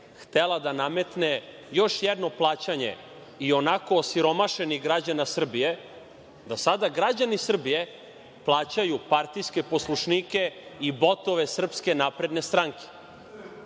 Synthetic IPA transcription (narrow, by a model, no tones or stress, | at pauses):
xt̪elad̪aname̞t̪ne | joʃjɛd̪no̞plˠaːt͡ɕaɲe̞̰ | io̞nakoːsiɾo̞maʃeniɡɾad͡ʑanasr̩bije̞ | d̪asad̪aɡɾad͡ʑanisr̩bije̞ | plˠaːt͡ɕajupaɾt̪ijske̞poslˠuʃnike̞ibot̪o̞ʋesr̩pske̞napɾe̞d̪ne̞st̪ɾaŋke̥